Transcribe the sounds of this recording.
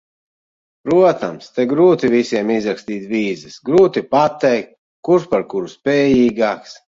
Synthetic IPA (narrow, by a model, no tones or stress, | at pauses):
pɾuɔt̪amst̪ɛɡɾuːt̪ivisiɛmizɾaksʲt̪iːt̪viːzɨsɡɾuːt̪ipat̪ɛjk̚t̪̚ | kuɾʃpaɾkuɾuspɛːjiːɡaːks